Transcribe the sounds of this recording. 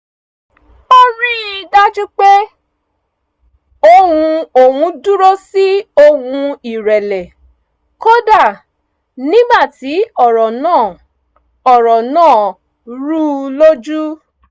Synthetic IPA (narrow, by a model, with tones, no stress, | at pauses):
o˦ɾi˦i˨˧da˦d͡ʒu˦k͡pe˦ | o˧hũ˧o˨wũ˧˦du˦ɾo˦si˦o˧˨hũ˧i˨ɾɛ˨lɛ˨ | ko˦da˦˨ | nĩ˦ɡ͡ba˦˨ti˨˦ɔ˦˨ɾɔ˨nãː˦˨ | ɔ˨ɾɔ˨nãː˦˨ | ɾu˦lo˦d͡ʒu˦